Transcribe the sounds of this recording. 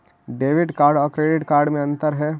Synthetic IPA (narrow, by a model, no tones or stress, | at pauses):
ɖeːʋɪɖkaːɾɖɔːɾkɾeːɖɪʈkaːɾɖmẽɐ̃nt̪əɾɦɛː